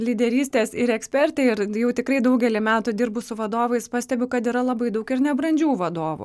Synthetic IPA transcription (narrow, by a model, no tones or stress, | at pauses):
lʲiːd̪ʲɛɾʲiːsʲt̪ʲeːsɪɾɛksʲpʲɛɾʲt̪ʲɛɪɪɾjɛʊt̪ʲɪkɾɐɪd̪ɐʊɡʲɛlʲɪmʲæːt̪ʊd̪ʲiːɾbʊsʊʋɐd̪oːʋɐɪspɑːsʲt̪ʲɛbʲʊkɐt̪iɾɐlˠɐbɐɪd̪ɐʊkɪɾnʲɛbɾɐnʲd͡ʒʲuːʋɐd̪oːʋʊ̰